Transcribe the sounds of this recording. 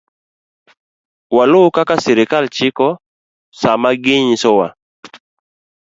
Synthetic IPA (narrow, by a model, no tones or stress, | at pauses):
walʊkakasɛɾɪkalt͡ʃɪkɔ | samaɡɪɲsɔwa